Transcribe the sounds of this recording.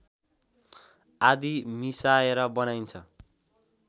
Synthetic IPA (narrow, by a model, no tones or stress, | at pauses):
ad̪imisaeɾʌbʌnajnt͡sʰʌ